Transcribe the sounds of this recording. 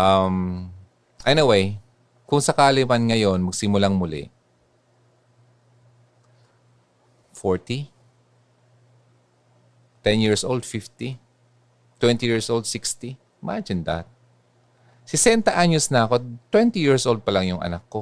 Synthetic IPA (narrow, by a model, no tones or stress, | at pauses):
ʔɐm | ʔɛnɪwej | kʊŋsɐkaːlɪmɐnŋɐjo̞nmɐɡ̚sɪmʊlaŋmʊlɪ̰ʔ | foɹt̪i | t̪ɛnjiɹsʔold̪fɪft̪i | t̪wɛnt̪ijiɹsʔold̪̚sɪkst̪i | mad͡ʒɪnd̪ɐ̰t̪̚ | sɪsɛnt̪ɐʔaɲosnɐɐko̞t̪wɛnt̪ijiɹsʔold̪̚pɐlaŋjʊŋʔɐ̰nakːo